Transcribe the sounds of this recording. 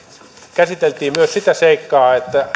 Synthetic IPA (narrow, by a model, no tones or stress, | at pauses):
kæsit̪elt̪iːmmyøssit̪æseikːɑːet̪ːæ